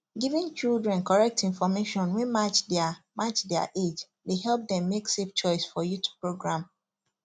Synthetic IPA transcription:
ɡivĩnt͡ʃildɹɛ̃nkɔɹɛk̚tĩnfɔmeʃɔ̃nwɛ̃mat͡ʃdamat͡ʃdɛa̰ʔed͡ʒ | leɦɛlp̚dɛ̃mːekseft͡ʃɔɪsfɔjutʰu̥pɹoɡɹãm

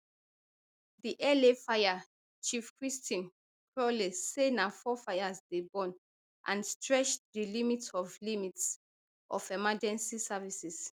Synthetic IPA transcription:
diʔɛlefaja | t͡ʃifkɹistĩn | kʰɹɔlesenafɔfaɪasdebɔ̃n | ʔã̰nstɹɛʃdilimitsɔflimits | ʔɔfɛmad͡ʒɛ̃nsisavisis

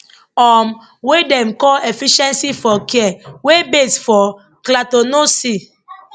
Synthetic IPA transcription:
ɔm | wedɛ̃mkɔefiʃɛ̃nsifɔkɛɛwebesfɔ | klatonosi

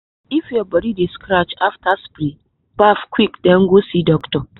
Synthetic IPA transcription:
ɪfjɔbɐɾideskɾat͡ʃaftaspɾi | b̥afkwikdɛŋɡosidɔktɔ

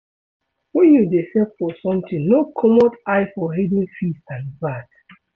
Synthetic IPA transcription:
wɛ̃njudesɛtfɔsɔ̃mtĩnokʰɔmɔdaɪfɔɦɛdĩnfistãnbad

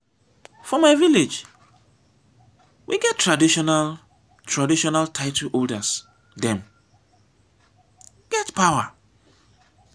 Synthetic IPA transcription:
fɔmaɪviled͡ʒ | wʔiɡɛttːɹadiʃɔnal | tʰɹadiʃɔnaltʰaɪtʰuʔoldəs | dɛ̃m | ɡ̥ɛtpʰawa

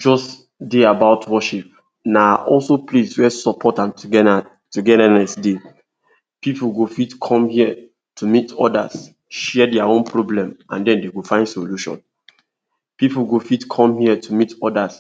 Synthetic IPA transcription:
d͡ʒɔst | deabaʊtʰwɔʃip̚ | naaʔɔlsopʰleswɛsɔpʰɔtãmtʰuɡɛda | tuɡɛdanɛsde | pipl̩ɡofitkʰɔ̃mhiə | tʰumitʰɔda̰z | ʃɛɛdɛaõnpʰɹoblɛ̃mã̰ndɛ̃ndeɡofãɪ̃ndsoluʃɔ̰̃n | pipl̩ɡofitkʰɔ̃mhiɛtʰumitɔdas

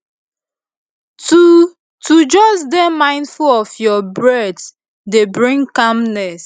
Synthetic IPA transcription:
tu | tud͡ʒɔsdemãɪ̃ndfulɔfjɔbɹɛd | debɹĩŋkamnɛs

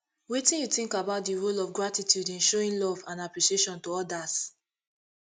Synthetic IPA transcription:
wetĩnjuθĩŋkabaʊt̚diɹolɔvɡɹatitʰjudĩnʃoɹĩnlɔvãnapɹiʃieʃɔ̃ntoɔdas

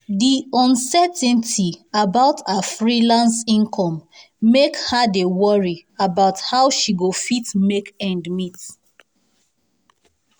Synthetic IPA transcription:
diɔ̃nsɛtɛ̃ntʰiabaʊtafɹilãnsĩnkʰɔ̃mː | ekhadewɔɹiabaʊthaʊʃiɡofitmekɛ̃ndmit

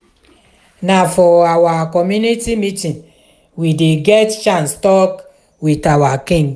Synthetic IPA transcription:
nafɔawakɔmjunitimitĩn | wideɡɛtt͡ʃãnstɔk | witawakĩŋɡ

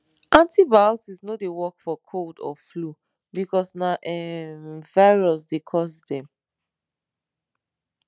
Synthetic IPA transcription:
ʔãntibaltisnodewɔkfɔkʰoldɔ̰flu | bikɔsnaʔɛmvaɪɹɔsdekʰɔsdɛ̃m

